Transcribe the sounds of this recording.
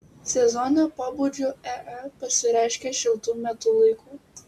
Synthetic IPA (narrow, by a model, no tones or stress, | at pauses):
sʲɛzɔːnoːpoːbuːd͡ʒʲuɛʔɐpɐsʲɪɾʲæˑɪʃʲkʲeːʃʲɪlˠt̪uːmʲɛt̪ʊlˠɐɪkuː